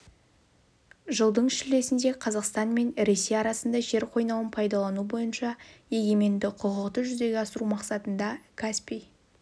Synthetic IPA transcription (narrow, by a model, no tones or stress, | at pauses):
ʒəlˠd̪əɴɪʃɪle̞sɪnd̪e̞qʰɑzɑqst̪ɑnme̞nɾe̞sejɑɾɑsənd̪ɑʒe̞ɾqʰo̞jnɑwənpʰɑjd̪ɑlˠɑnubo̞jənʃɑe̞ɡʲe̞me̞nd̪ɪqʰoʁəqt̪əʒʏze̞ɡʲeɑsəɾumɑqsɑt̪ənd̪ɑkʰaspij